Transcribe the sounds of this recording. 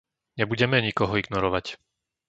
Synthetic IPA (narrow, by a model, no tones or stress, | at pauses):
ɲɛbuɟɛmɛɲikɔɦɔiɡnɔɾɔʋac